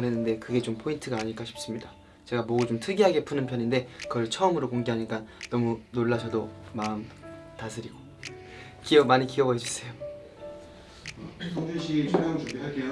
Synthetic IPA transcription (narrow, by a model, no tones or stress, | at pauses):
ɾɦe̞nːɯnde̞kɯɡe̞t͡ɕompʰointʰɯɡaːɲiɭk͈aɕʰi̥p̚s͈ɯmɲida | t͡ɕe̞ɡamʌɡut͡ɕomtʰɯɡiɦaɡe̞pʰunɯnpʰjʌninde̞kʌɭt͡ɕʰʌɯmɯɾokoŋɡeɦaɲiɭk͈annʌmunoɭːasʰʌdomaɯmtasʰɯɾiɡo | kiʌmaɲikiʌbʌd͡ʑus͈ejo | oŋdeɕʰit͡ɕʰuoŋuɡe